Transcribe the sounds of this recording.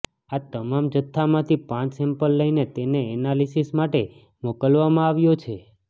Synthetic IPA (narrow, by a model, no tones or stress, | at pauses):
at̪əmamd͡ʒət̪ʰːamãt̪ʰipãt͡ʃsɛmpəlːəinet̪eneɛnalisismaʈe | mokəlʋamãaʋjot͡ʃʰe